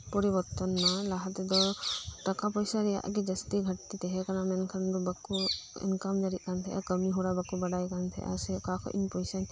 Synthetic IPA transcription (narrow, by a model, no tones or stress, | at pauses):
pɔɾibɔɾt̪ɔnmalaɦat̪d̪ɔʈakapɔjsaɾɛja̰ʔɡɛd͡ʒəst̪iɡʱəʈt̪it̪ɛɦɛkanamɛnkʰand̪ɔbakuɛ̰nkamd͡ʒaɾit̪̚ˀkant̪ʰɛ̰ʔa̰kəmiɦuɽabakubaɖajkant̪ʰɛ̰ʔa̰sɛʔkakʰɔ̰ʔḭɲpɔjsaɲ